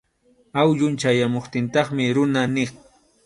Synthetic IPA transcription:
awʎʊnt͡ʃajamoχt̪ɪnt̪ɑχmɪɾʊnanɪχ

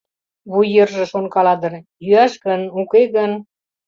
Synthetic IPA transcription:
βujːə̆rʒɤ̆ʃonkɑlɑd̪ɤ̆rjyæʃɣənukeɣən

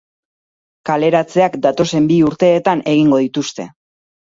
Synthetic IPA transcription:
kale̞ɾat͡se̞akd̪at̪o̞se̞mbiuɾt̪e̞ːt̪anʔe̞ɣ̞iŋɡo̞ð̞it̪ust̪e̞

